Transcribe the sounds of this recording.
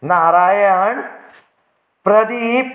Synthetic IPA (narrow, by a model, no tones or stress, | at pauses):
naɾajəɳ | pɾəd̪ip